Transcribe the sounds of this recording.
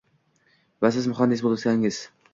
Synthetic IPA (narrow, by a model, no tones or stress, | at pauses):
vas̬ɪzmʊχand̪ɪs̬bolˠɪt̪ʲanɪŋɪz̥